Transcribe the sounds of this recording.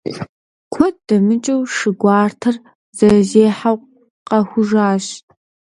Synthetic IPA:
kʷʰɔt̚d̥ɐmɨt͡ʃʼɐwʂɨɡʷɑːrtʰɐr | z̥ɐzeːħawq | qɐxʷʊʒaːɕ

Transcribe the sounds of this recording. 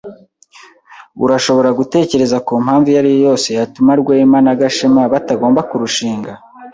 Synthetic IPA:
ṵɾaʃo̞βo̞ɾaɡute̞ːce̞ɾe̞zakom̥haːɱvujaɾijojo̞ːse̞jatumaɾɡweːmanaɡaʃemaβataɡo̞ːmbakuɾuʃiːŋɡa

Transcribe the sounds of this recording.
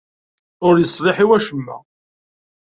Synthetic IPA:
ʊɾjəsˤɾˤɪħiwæʃəmːæ̰

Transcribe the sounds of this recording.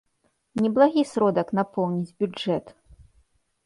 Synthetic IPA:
nʲɛblˠaɣʲisɾɔd̪ɐknapɔwnʲid͡zʲbʲud͡ʐɛt̪

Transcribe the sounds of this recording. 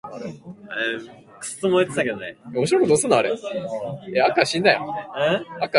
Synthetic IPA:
kɯ̥st̪omoet̪e̥t̪aked̪oneomoɕ̬iɾokod̪osɨnːaaɾe | eakːaɕĩnd̪ajo̰ | aka

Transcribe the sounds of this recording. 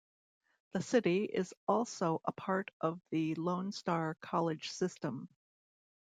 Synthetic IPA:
ðɨsɪɾiɪ̰zɔlˠsoʊʔəpʰɑɹɾʔʌvðɨlõʊ̃nstɑɹkʰɑlˠɨd̥ʒ̥sɪstə̃m

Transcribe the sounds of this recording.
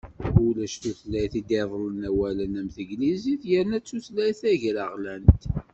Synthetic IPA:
ʊlæʃt̪uθlæjθid̪eðˤlənæwælənæmθəɡliziθjəɾnæt͡sːuθlæjθæʝɾəʁlænt̪

